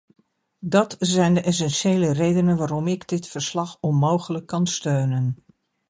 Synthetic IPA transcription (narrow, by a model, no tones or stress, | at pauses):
dɑtzɛjndəʔɛs̬ɛnʃejlərejdənənʋaːɾɔmɪɡdɪtfəɹslɑxɔnmowχələkːɑnstøːnən